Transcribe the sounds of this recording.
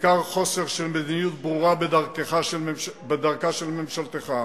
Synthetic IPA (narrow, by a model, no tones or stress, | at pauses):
kaʁχo̞seʁʃelmed̪inijut̪̚bʁuʁabed̪aʁkeχaʃelbed̪aʁkaʃelmemʃalt̪eχa